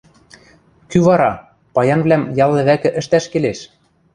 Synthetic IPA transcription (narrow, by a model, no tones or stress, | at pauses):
kyβɑɾɑ | pɑjɑnβlæmjɑlˠːɤ̆βækɘ̆ʔɘ̆ʃt̪æʃkeleʃ